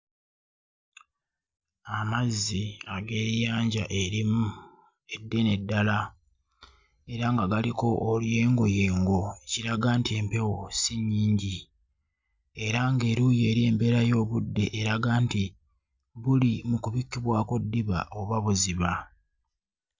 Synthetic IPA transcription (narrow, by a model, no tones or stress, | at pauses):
amazːiaɡe̞ːɾjaːɲɟaʔe̞ɾimu | e̞dːe̞ne̞dːala | e̞ɾaŋɡaɡaliko̞ʔːlje̞ːŋɡo̞jeːŋɡo̞ciɾaɡaːntie̞ːmpe̞wo̞siɲːiːɲɟi | e̞ɾaŋɡe̞ɾuːje̞ːɾie̞ːmbe̞ɾajo̞ːβudːe̞ʔeɾaɡaːnti | βulimukuβikːiβwaːko̞dːiβa̰ʔoβaβuziβa